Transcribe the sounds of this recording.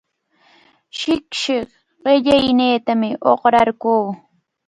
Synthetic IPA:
ʃɪkʃɪχ | ɢɪʎajneːt̪amɪʔoχɾaɾkuː

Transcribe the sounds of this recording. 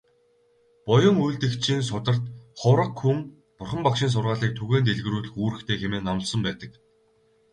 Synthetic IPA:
pɔjɞ̆ŋujɮt̪ɘ̆kt͡ɕʰiːns̬ʊt̪ə̆r̥t̪χʊɾə̆kxuŋ | pʊrχə̆mpakʃiːns̬ʊrʁaːɮiːk̚t̪ʰuɣeːnt̪̬eɮɣ̆ɾuːɮɘ̆xuːɾɘ̆xt̪ʰeːxemeːnːamə̆ɮsə̆mpæːt̪ə̆k

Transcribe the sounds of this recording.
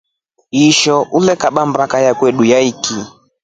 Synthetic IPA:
iʃɔʔulɛkaɓambakajakwɛɗujaiki

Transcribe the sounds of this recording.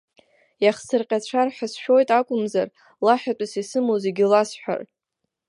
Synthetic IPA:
jaχsɨrqʲʼat͡ɕʷʰarħʷᶣasʃᶣo̞jtʼakʷʼʊmzar | laħᶣatʷʼasisɨmozeɡʲɪlasħʷᶣa̰r

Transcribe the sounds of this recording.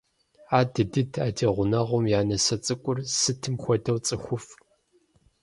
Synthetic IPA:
aːdɨdɨdʰaːdʰeːʁʷʊnɐʁʷʊmjaːnɐsɐt͡sʼɨkʷʼʊrsɨtʰɨmxʷɔdɐwt͡sʼɨxʷʊf

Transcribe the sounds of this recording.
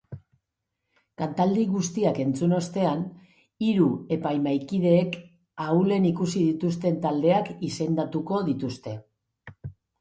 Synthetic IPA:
kant̪ald̪iɣust̪iake̞nt͡suno̞st̪e̞an | iɾue̞pajmajkið̞e̞ːk | aule̞nikusiðit̪ust̪e̞nt̪ald̪e̞akise̞nd̪at̪uko̞ðit̪ust̪e̞

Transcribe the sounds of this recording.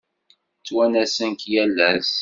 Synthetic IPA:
t͡sːwænæsənkjælːæs

